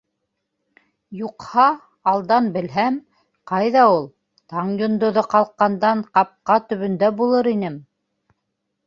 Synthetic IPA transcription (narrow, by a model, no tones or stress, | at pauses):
juqhɑː | lˠd̪ɑnbɘ̆lɦæm | qɑjðɑulˠ | t̪ɑɴjŏnd̪ŏðoqɑlˠqːɑnd̪ɑɴqɑp̚qɑt̪ɵ̆βɵ̆nd̪æbulˠɤɾinɘm